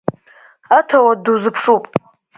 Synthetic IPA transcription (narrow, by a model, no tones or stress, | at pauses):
atʰawaduzɨpʰʂupʼ